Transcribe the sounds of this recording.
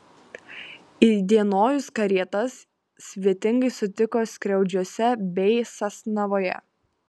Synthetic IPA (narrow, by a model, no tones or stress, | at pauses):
id̪ʲiɛnoːjʊskɐɾʲiɛt̪ɐsːʲ | ʋʲiɛt̪ʲɪŋɡɐɪsʊt̪ʲɪkoːsʲkɾʲɛʊd͡ʒʲuɔsʲɛbʲɛɪsɐsnɐʋoːjɛ̰